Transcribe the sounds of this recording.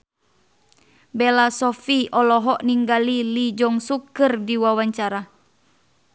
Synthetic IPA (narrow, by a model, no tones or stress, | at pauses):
bɛlasɔfiɔlɔɦɔʔniŋɡalilid͡ʒɔŋsukɨrdiwawaɲt͡ʃaɾa